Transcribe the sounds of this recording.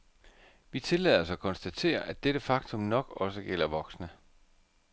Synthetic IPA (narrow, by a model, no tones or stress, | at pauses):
ʋit͡sʰe̝lɛ̰ð̰ˠɒsɒkʰɒ̽nsd̥æt͡sʰe̝̰ːɐʔæd̥eɾ̥əfɑ̈ɡ̥t͡sʰɔ̽mnɒ̽ɡ̥ɒ̽səɡ̥el̰ɐʋɒ̽ɡ̥snə